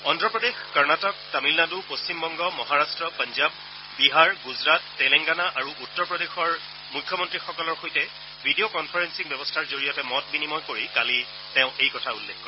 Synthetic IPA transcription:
ɔndɹɔpɹɔdexkɔɹnatɔk̚tamilnadupost͡ɕimbɔŋɡɔmɔɦaɹastɹɔpanzabː | iɦaɹɡuzɹatːɛlɛŋɡanaʔaɹuʔutːɔɹpɹɔdexɔɹ | mukʰːjɔmɔntɹixɔkɔlɔɹxojtɛ | bʱidiokɔnpʰaɹensikbjɛbɔstʰaɹzoɹijɔtɛmɔt̚binimɔjkoɹikali | teʊ̃ʔejkɔtʰaulːekʰkɔ

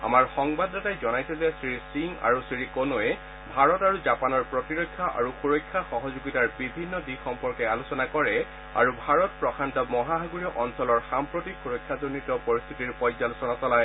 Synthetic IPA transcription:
a̰maɹxɔŋbadːatajzɔnajsɛzɛsɹisiŋa̰ɹusɹiɹikonoɛ | bʱaɹɔtaɹuzapanɔɹpɹɔtiɹojkʰːaʔa̰ɹuxuɹɔjkʰːaxɔɦɔzuɡitaɹbibʱinːɔdixɔmpɔɹkɛalusɔnakɔɹɛ | a̰ɹubʱaɹɔt̚pɹɔkʰantɔmɔɦaɦaɡuɹiɔʔɔnsɔlɔɹxampɹotixʰuɹojkʰːadonitɔpɔɹist̪ʰitiɹpɔjzalosɔnasɔlaj

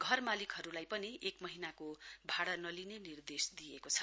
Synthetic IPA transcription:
ɡʱʌrmalikɦʌɾulajpʌniekmʌɦinakobʱaɽanʌlinenird̪esd̪ijekot͡sʰʌ̥

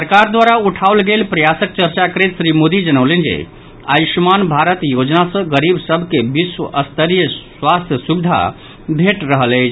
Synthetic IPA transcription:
səɾkaɾd̪waɾauʈʰaolɡelpɾəjasək̚t͡ʃəɾt͡ʃakəɾet̪sɾimod̪id͡ʒənəwlend͡ʒḛ | a̰jʃmanbʱaɾət̪jod͡ʒnasə̃ɡəɾibsəbʱkebiswəʔəst̪ʰəɾjəswast̪ʰjəsubid̪ʱa̰ | bʱeʈɾəɦələjt͡ʃʰ

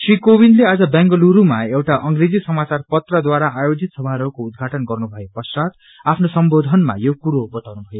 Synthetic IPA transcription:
srikowind̪lead͡zʌbjãŋɡʌluɾumaewʈaʔʌŋɡred͡zisʌmat͡sarpʌt̪rʌd̪waɾaʔajod͡zʱit̪sʌbʱaɾʌkoud̪̚ɡʱaʈʌnɡʌrnubʱʌjepʌsat̪ | apʰnosʌmbod̪ʱʌnma̰jokuɾobʌt̪awnubʱʌjo

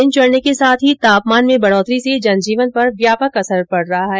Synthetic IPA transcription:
ɪnt͡ʃɐɽnekesaːt̪ʰɦit̪aːpmaːnmẽbɐɽɔːt̪ɾised͡ʒɐnd͡ʒiːʋənpɐɾʋjaːpəkɐsəɾpɐɽɾɐɦaɦɛː

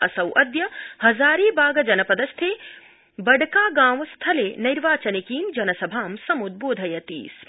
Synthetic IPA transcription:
ɐsɐwʔɐd̪jɐhɐzaːɾiːbaːɡɐd͡ʒɐnɐpɐd̪ɐst̪ʰeː | bɐɖkaːɡaːmst̪ʰɐleːnɐjɾʋaːt͡ʃɐnikiːmd͡ʒɐnɐsɐbʱaːmsɐmud̪̚boːd̪ʱɐjɐt̪ḭːs

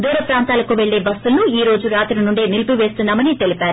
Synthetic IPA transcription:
d̪uːɾɐpɾaːnt̪aːlɐkuʋe̞ɭːe̞ːbɐsːulnuiːɾo̞ːd͡ʒuɾaːt̪ɾinuɳɖeːnilpuʋe̞ːst̪unːaːmɐnit̪elipaːɾu

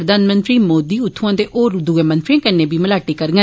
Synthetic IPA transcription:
ɾəd̪aːnmənt̪ɾiːmoːd̪iːʊt̪ʰːãːd̪eːʔoːɾd̪uːemə̃nt̪ɾiãːkənːẽːbiːməlaːʈiːkəɾɡə

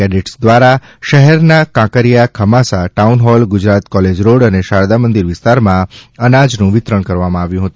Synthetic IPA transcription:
ɛɖiʈsd̪ʋaɾa | ʃəɦɛɾnakãkəɾijakʰəmasaʈaunɦɔlɡʊd͡ʒɾat̪kɔled͡ʒɾoɽəneʃaɾd̪amənd̪iɾʋɪst̪aɾmãənad͡ʒnũʋɪt̪ɾəɳkəɾʋamãaʋjũɦət̪ũ

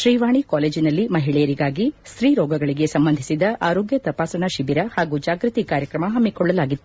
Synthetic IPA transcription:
ʃɾiːʋaːɳikaːleːd͡ʒinɐlːimɐɦiɭɛjɐɾiɡaːɡisɾiːɾɔːɡɐɡɐɭiɡe̞sɐmbɐnd̪ʱi̥sid̪ɐʔaːɾoːɡjɐt̪ɐpaːsɐɳɐʃibiɾɐhaːɡuːd͡ʒaːɡɾut̪ikaːɾjɐkɾɐmɐɦɐmːikɔɭːɐlaːɡit̪ːu̥

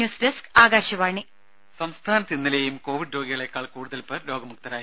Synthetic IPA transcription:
juːsdeskaːɡaːɕɐʋaːɳi | sɐmst̪ʰaːnɐt̪ːinːɐleːjumko̞ːʋiɖɾo̞ːɡiɣɐɭe̞kːaːɭkuːɽuðɐlpɐlo̞ːɡɐmuk̚t̪ɐɾaː

